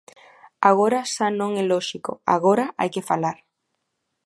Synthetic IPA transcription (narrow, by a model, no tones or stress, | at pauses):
aɣ̞oɾaʃanõŋɛlɔʃiko̰a̰ɣoɾaʔa̰jkefalaɾ